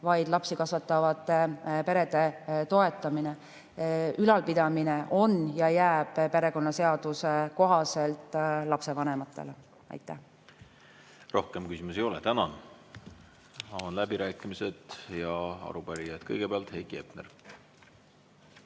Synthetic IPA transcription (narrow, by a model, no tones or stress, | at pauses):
vɑjd̪̥lɑpsikɑsvɑt̪ːˑɑvɑt̪ˑepe̞ɾe̞d̪e̞t̪o̞e̞t̪ːˑɑmine | ylɑlpid̪̥ɑmine̞ʔo̞njɑjæːb̥pe̞ɾe̞ko̞nːɑse̞ɑd̪̥useko̞ɦɑse̞lt̪ˑlɑpse̞vɑne̞mɑt̪ˑːe̞̰le | ɑ̰jt̪ːˑæh | ro̞hkemkysimusejolɛt̪ænɑn | ɑonlæbiɾæːkːˑimised̪̥jɑɑ̰ɾupæɾijɑd̪̥kɤ̰jɡ̥epeɑlt̪hejɡiepnḛr